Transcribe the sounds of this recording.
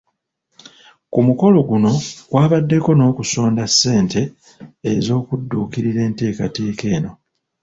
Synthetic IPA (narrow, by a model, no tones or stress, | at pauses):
kumuko̞lo̞ɡuno̞ɡ̥waːβadːe̞ko̞no̞ːkuso̞ːndasːe̞ːnte̞ː | zo̞ːkudːuːkiɾiɾe̞ːnte̞ːkate̞ːke̞ːno̞